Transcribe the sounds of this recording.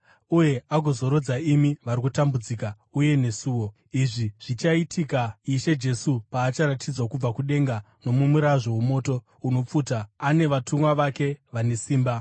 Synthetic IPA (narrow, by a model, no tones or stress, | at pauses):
uje̞aɡozoɾo̞d͡zaimiʋaɾikutambud͡ziːka | uje̞ne̞suːwo̞ | iʐiʐ̥it͡ʃaitʰikaiʃe̞d͡ʒe̞supaːt͡ʃaɾatʰid͡zwakub͡vakuɗe̞ŋɡa | no̞mumuɾaʐo̞ɦumo̞ːto̞ | uno̞p͡fuːtaːne̞ʋatʰumwaʋake̞ʋane̞siːmba